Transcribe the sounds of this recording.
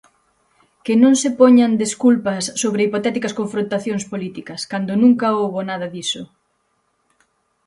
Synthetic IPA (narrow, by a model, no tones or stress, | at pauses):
kɪnõŋsɪpɔɲɐnd̪eskulpɐsːoβɾɪipot̪ɛt̪ikɐskõɱfɾõnt̪aθjõŋspolit̪ikɐskand̪onũŋkɐowβonað̞ɐðisʊ